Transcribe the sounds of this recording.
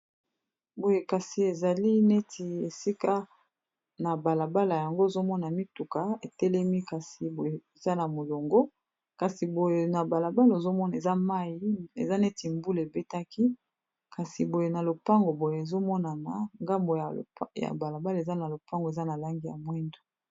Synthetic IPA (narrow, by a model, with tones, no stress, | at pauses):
bo˨je˨ka˨si˨e˨za˨li˦ne˦ti˨e˨si˦ka˦ | na˨ba˨la˨ba˦la˨ja˨ŋɡo˦e˨zo˦mɔ˦na˨mi˦tu˨ka˨e˨tɛ˦lɛ˦mi˦ka˨si˨bo˨je˨e˨za˦na˨mo˨lo˨ŋɡo˦ | ka˨si˨bo˨je˨na˨ba˨la˨ba˦lo˨zo˦mɔ˦na˨e˨za˦ma˦ji˨ḛ˨za˦ne˦ti˨mbu˦le˨be˦ta˦ki˦ | ka˨si˨bo˨je˨na˨lo˨pa˦ŋɡo˨bo˨je˨e˨zo˦mɔ˦na˨na˨ŋɡa˦mbo˨ja̰˨ba˨la˨ba˦la˨e˨za˦na˨lo˨pa˦ŋɡe˨za˦na˨la˦ŋɡi˦ja̰˨mwɛ˦ndo̥˨